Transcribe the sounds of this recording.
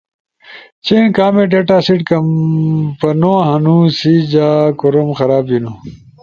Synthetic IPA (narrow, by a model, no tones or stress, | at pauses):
t͡ɕeːnkaːmeɖeʈaːsiʈkɐmpɐnoɦɐnũsid͡ʑaːkoɾomxɐɾaːbino